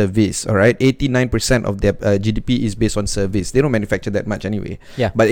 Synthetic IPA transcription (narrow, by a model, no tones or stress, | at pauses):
əvisɔ̰lɹaɪtetinãɪ̃npəsɛ̃ntɔ̰fd̪ɛʌd͡ʒidipiʔisbestɔ̃nsəvisdedõnmɛ̃njufɛk̚t͡ʃəd̪ɛt̚mat͡ʃɛniwḛ | jbat